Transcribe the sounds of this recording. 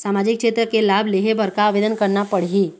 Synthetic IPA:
saːmaːd͡ʒɪkːʃeːt̪ɾəkelaːbleɦebʱəɾkaɐʋeːd̪ənkəɾnapəɽɦiː

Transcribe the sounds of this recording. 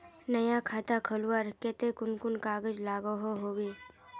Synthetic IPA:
nɐjakʰaːt̪akʰəluəɾkeːt̪ekʊnkʊnkaːɡəd͡ʒlaːɡoɦoɦoːweː

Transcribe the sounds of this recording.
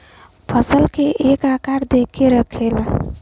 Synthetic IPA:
pʰəsəlkeʔekakaɾd̪ekʰːeɾəkʰela

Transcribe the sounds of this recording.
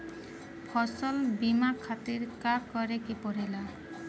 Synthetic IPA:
pʰɔsɔlbimakʰːat̪iɹkaɾkɔɾekipɔɾila

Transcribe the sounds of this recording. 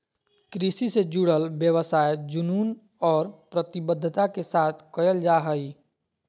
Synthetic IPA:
kɾisised͡ʒuɽəlbjəwəsaːjd͡ʒʊnuːn | ɔːɾpɾət̪ɪbəd̪ʱːt̪akesaːt̪ʰkəjəld͡ʒaɦəi

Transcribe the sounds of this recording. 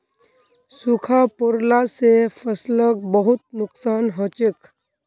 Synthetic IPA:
sukʰapʊɾlasefʰəslək̚bəɦʊt̪̚nʊksaːnɦot͡ʃɪk

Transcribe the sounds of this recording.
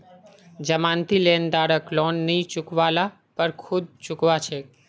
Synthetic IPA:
d͡ʒəmãnt̪ilend̪aɾəklɔnːit͡ʃʊkʋala | pəɾkʰud̪̚t͡ʃʊkʋat͡ʃʰe

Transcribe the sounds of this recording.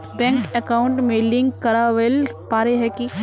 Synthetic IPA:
bɛ̃ŋkɛkaʊɳʈmẽlɪ̃ŋɡkɐɾaʋelpaːɾeɦɛki

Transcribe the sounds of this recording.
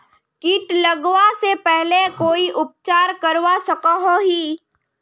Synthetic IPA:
kiʈlɐɡwasepɛɦlekoːiʔʊp̚t͡ʃaːɾkɐɾʋasɐkaɦõɦiː

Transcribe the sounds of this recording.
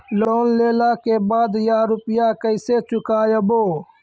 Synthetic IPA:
loːnleːlaːkeːbaːd̪jaːɾupjaːkəiseːt͡ʃukaːjɐboː

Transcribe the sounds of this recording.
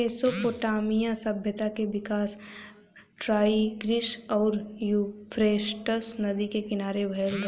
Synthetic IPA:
eːsopoːʈaːmijãsɐbʱjət̪akeʋɪkaːs | ʈɾaːiɡɾɪʃɔːɾjupʰɾeːʃʈəsnɐd̪ikekɪnaːɾebʱɐl

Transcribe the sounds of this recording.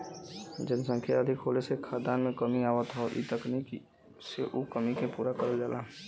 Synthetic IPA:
d͡ʒənsə̃ŋkʰja̰əd̪ʱɪkɦoːlesekʰaːd̪aːnmẽkəmiaːwət̪ɦoʔḭt̪əknik | seʔukəmikepuːɾakəɾəld͡ʒaːlaːɦ

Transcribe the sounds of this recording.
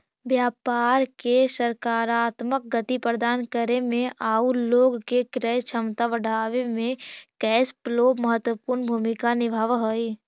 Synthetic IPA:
ʋjaːpaːɾkesəɾkaːɾaːt̪mək̚ɡət̪ipɾəd̪aːnkəɾemẽʔaːuloːɡkekɾɛjt͡ʃʰəmt̪aʋəɽʱaːʋemẽkɛːsploːməɦət̪wəpuːɾnbʱuːmikanɪbʱaʋɦoi

